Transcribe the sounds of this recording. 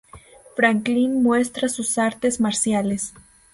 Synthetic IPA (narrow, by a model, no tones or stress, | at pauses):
fɾaŋklinmwe̞st̪ɾasusaɾt̪e̞zmaɾsjales